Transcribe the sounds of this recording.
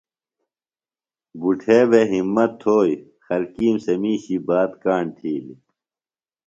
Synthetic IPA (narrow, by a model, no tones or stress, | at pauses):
buʈʰeːbeɦimːɐt̪ʰːoːj | xɐlkiːmsɐmiːɕibaːt̪kaːɳt̪ʰiːli